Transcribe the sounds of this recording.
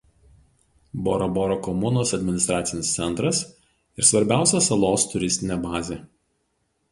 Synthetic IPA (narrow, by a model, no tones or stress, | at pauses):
bɔ̰ːɾoboːɾokɔmʊnoːsɐd̪ʲmʲɪnʲɪst̪ɾɑːt̪sʲɪnʲɪst̪sʲɛnˑt̪ɾɐs | ɪɾsʋɐɾʲbʲæˑʊsʲɛsɐlˠoːst̪ʊɾʲɪsʲt̪ʲɪnʲɛbɑːzʲe